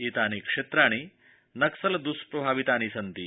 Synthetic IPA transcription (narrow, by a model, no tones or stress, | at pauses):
it̪aniːkʂet̪ɾaɽ̃i | nɐksəld̪uspɾɐbʱaʋit̪aniːsənt̪iː